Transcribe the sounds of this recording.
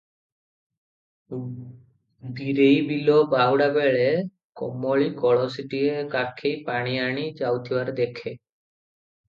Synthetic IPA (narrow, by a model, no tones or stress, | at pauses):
biɾejbilobawɽabeɭe | kɔ̰mːoɭikɔɭɔsiʈiekakʰːejpaɽ̃iaɽ̃id͡ʑawt̪ʰiwaɾd̪ekʰe